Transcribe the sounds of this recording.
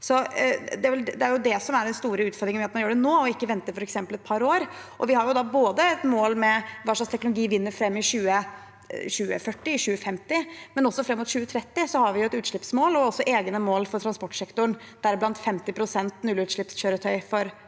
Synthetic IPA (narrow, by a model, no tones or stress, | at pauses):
sɔd̪ɛæʋɛld̪ɛæɾjʊd̪ɛsɔmæɖɛnst̪uːɾəʉːt̪fɔɾd̪ɾɪŋənmɛɑt̪mɑnjuːɖɛnoːɔɪkːəʋɛnt̪əɾfɔɾɛksɛmpəlɛt̪̚pʰɑɾoːɾ | ʔɔʋɪhɑɾjʊd̪ɑːboːd̪əɛt̪moːlmɛʋɑːʂlɑkst̪ʰɛknʊlʊɡiːʋɪnːəɾfɾɛmːɪɕʉːə | ɕʉːə̰fœʈːɪɪɕʉːəfɛmt̪ɪmɛnɔsːɔfɾɛmːʊt̪ɕʉːət̪ʰɾɛt̪ːɪsɔhɑɾʋɪjʊɛt̪ʉːt̪ʂɭɪpsmoːlɔɔsːɔʔeːɡnəmoːlfɔɾʈʰɾɑnspɔʈːsɛkt̪ʊɳ | d̪̥æɾblɑnt̪fɛmt̪ɪpʰɾʊsɛnt̪nʉlʉːt̪ʂɭɪpsɕøːɾət̪ʰœʏfɔɾ